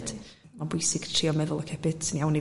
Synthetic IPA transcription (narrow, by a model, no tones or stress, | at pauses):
d̥mabʊɨsɪɡ̥tʰriːɔmɛðʊlˠəkʰɛbɪd̥sənijawni